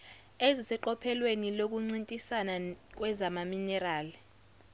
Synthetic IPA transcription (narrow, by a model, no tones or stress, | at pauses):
ezisɛǃɔpʰɛlwenilok̬uŋ͡ǀintʼisanak̬wɛzamaminɛraːli